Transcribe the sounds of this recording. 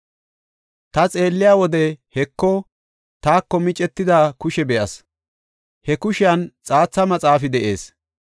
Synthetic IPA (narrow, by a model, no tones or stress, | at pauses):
t̪ɐt͡sʼe̞ːlːɪjaːwɔd̪ɛhɛkːɔ | t̪aːkːɔmɪt͡ʃʼɛt̪ːɪd̪akʊʃɛbɛjɐs | hɛkʊʃɪjɐnt͡sʼaːt͡sːɐmɐt͡sʼaːfɪd̪ɛʔe̞ːs